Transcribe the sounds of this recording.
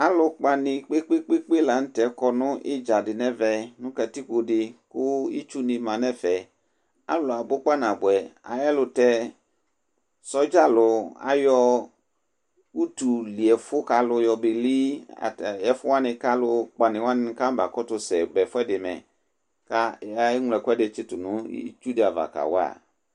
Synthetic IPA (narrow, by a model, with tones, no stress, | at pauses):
a˦lʊ˧k͡pa˨nɪ̃˨k͡pe˦k͡pe˦k͡pe˦k͡pe˦la˨n̩˦tɛ˨˦kɔ˨nʊ̃˦ʔɪ˦d͡ʒa˨dɪ˨nɛ˦vɛ˨nʊ̃˦ka˨ti˦ko˨dɪ˨kʊ˦ḭ˦t͡ʃu˦nɪ̃˧mã˨nɛ˦fɛ˨ | a̰˨˦lʊ˨a˨bʊ˦k͡pa˦nã˨bʊ˨ɛ˨a̰˨jɛ˦lʊ˧tɛ˦ | sɔ˦d͡ʒa˦˨lʊ˨a̰˨jɔ˦ | u˦tu˨li˨ɛ˨fʊ˦ka˨lʊ˨jɔ˨bɪ˨li˦a̰˨jɛ˦fʊ˦wa˦nɪ̃˨ka˦lʊ˦k͡pa˨nɪ̃˨wa˦nɪ̃˦ka˦m˦ba˨kɔ˦tʊ˨sɛ˨bɛ˨fʊ˦ɛ˦dɪ˨mɛ̰̃˨ | ka˦a˦ŋʷ˨lɛ˨kɛ˦dɪ˨˦t͡ʃɪ˦tʊ˨nʊ̰̃˦t͡ʃu˦dɪ˨a˨va̰˨ka̰˨wa̰˦˨